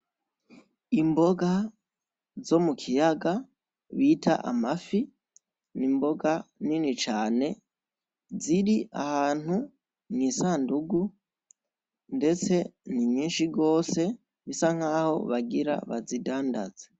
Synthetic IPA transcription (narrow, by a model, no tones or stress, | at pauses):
imbo̞ɡa | zo̞mukʰijaɡa | βiːtʰa̰ʔa̰mafi | nimbo̞ɡaninit͡ʃaːne̞ | ziɾia̰haːn̥hu | niːsaːnduɡu | nde̞t͡se̞nimɲiːnʃiɡo̞ːse̞ | βisaŋ̥aːho̞βaɡiɾa̰βazidaːnda̰z̥e